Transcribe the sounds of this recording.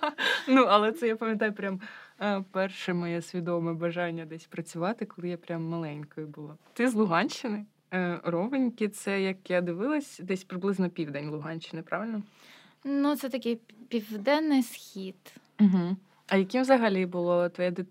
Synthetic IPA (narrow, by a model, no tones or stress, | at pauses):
nuɐlˠɛt̪sɛjapɐmʲjɐt̪ɑjʊpɾʲampɛrʃɛmɔjɛsʲʋʲid̪ɔmɛbɐʒɑnʲːɐd̪ɛsʲpɾɐt͡sʲʊʋɑt̪ɪkɔlˠɪjapɾʲamːɐlˠɛnʲkɔjʊbʊlˠɔt̪ɪzlˠʊɦɑnʲt͡ʃːɪnɪ | rɔʋɪnʲkɪt̪sɛjɐkjad̪ɪʋɪlˠɐsʲd̪ɛsʲpɾɪblˠɪznɔpʲiwd̪ɛnʲlˠʊɦɑnʲt͡ʃːɪnɪpɾʔɑʋɪlʲnɔ | nut̪sɛt̪ɐkʲɪjpʲiwd̪ɛnːɪjsxʲid̪ | m̩ɦ̩ | ɐjɐkimzɐɦɐlʲibʊlˠɔt̪ʋɔjɛd̪ɪ